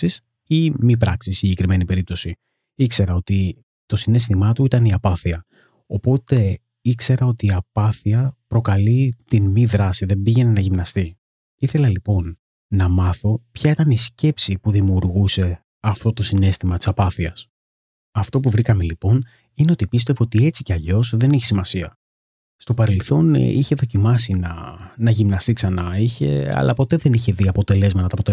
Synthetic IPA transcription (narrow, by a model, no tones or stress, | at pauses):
is | imip̬ɾɐksissiɲɟe̞kɾime̞nipe̞ɾip̚t̪o̞si | ikse̞ɾɐo̞t̪i | t̪o̞sine̞st̪imɐt̪uit̪ɐniɐpɐθiɐ | o̞po̞t̪e̞ | ikse̞ɾɐo̞t̪iːɐpɐθiɐpɾo̞kɐlit̪inmiðɾɐsiðe̞mbiʝe̞ne̞nɐʝimnɐst̪i | iθe̞lɐlipo̞nː | ɐmɐθo̞pçɐit̪ɐnisce̞psipuðimiuɾɣuse̞ | ɐft̪o̞t̪o̞sine̞st̪imɐt̪i̥sɐpɐθiɐs | ɐft̪o̞puvɾikɐme̞lipo̞n | ineo̞t̪ipist̪e̞voot̪ie̞t͡sice̞ɐʎo̞sðe̞niçesimɐsiɐ | st̪o̞pɐɾe̞lθo̞niçe̞ðo̞cimɐsinɐ̰nɐʝimnɐst̪iksɐnɐiçe̞̰ɐ̰lɐ̰po̞t̪e̞ðe̞niçe̞ðiɐpo̞t̪e̞le̞zmɐt̪ɐt̪ɐːpot̪e